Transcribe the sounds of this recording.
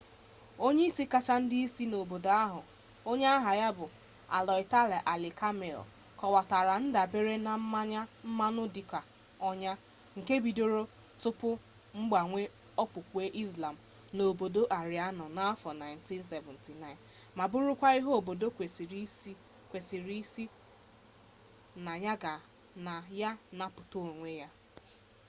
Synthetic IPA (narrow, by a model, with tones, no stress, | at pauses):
o˦ɲe˦i˦si˦ka˦t͡ʃa˦n̩˦dɪ˦i˦si˦no˨bo˨do˨a˦ɦʊ˨ | o˦ɲe˦a˦ɦa˨ja˦bʊ˨ | a̰˨lɔ˨ɪ˨ta˦le˨ʔa˨lɪ˨ka˦me˨l̰kɔ˨wa˨ta˨ɾa˨n̩˦da˨be˦ɾe˦na˨m̩˦ma˦ɲa˦m̩˦ma˦nʊ˦di˨ka˨ | ɔ˦ɲa˦ | ŋ̩˨ke˦bi˨do˦ɾo˦ | tʊ˦pʊ˦ | ŋ͡m̩˦ɡ͡ba˨ŋʷe˦ | ɔ˦pʊ˨kʷe˦ʔi˦zla˨m̩˨ | no˨bo˨do˦ʔa˨ɾi˨a˦nɔ˨na˦fɔ˨na˨ɪ˨n̩ti˦nsɛ˨vɛ˨n˨ti˨na˦ɪ˨n | ma˨bʊ˦ɾʊ˦kʷa˦i˦ɦo˦o˨bo˨do˦ke˨s | kʷe˨si˨ɾi˦si˦ | na˨ja˦ɡa˨ | na˨ja˦na˨pʊ˨to˦o˨ŋʷe˦ja˦